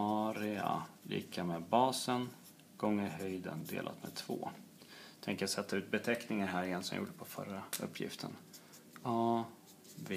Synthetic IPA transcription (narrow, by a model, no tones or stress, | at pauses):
ɑɾɪa̰lḭːkʰameːbɑːsən | ɡ̥ɔŋːəɾɦœjd̪ə̰nd̪ḛːlʔa̰t̪mḛːd̪̚t̪ʰvoː | t̪ʰɛŋkəjat̪sɛt̪ʰːaʉ̟ːt̪̚bɛt̪ʰɛknɪŋaɾɦæːɾɪɛnsɔmj̰ṵːɖəpʰɔfœ̰ɾːaɵ̰pːjɪ̰ft̪ʰən | ɑː | v